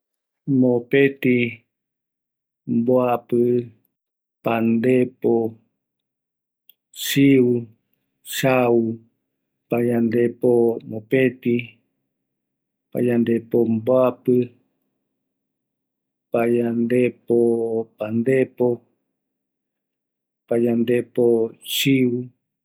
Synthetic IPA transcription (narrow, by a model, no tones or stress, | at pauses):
mopet̪i | mboapɨ | pand̪epo | siu | ʃau | pajand̪epomopet̪i | pa̰jand̪epomboapɨ | pajand̪epopand̪epo | pajand̪epoʃiu